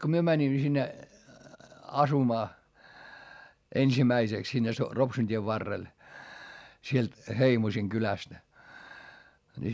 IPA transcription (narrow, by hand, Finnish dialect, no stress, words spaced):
ko myø mænʲimːæ sinːe ɑsumɑː ensimæiseks sinːe so ropsun tʲieʋ ʋɑrːel sielt heimosiŋ kylæstæ̆ ni